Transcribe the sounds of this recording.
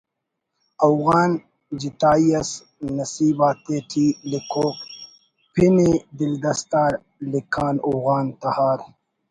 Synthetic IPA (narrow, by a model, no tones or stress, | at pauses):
ɐfɣaːn | d͡ʑit̪aːiɐs | nɐsiːbaːt̪eːʈ̪ʰiːlikʰoːk | pʰined̪ild̪ɐst̪aːɾ | likʰaːnoɣaːnt̪ɐhaːɾ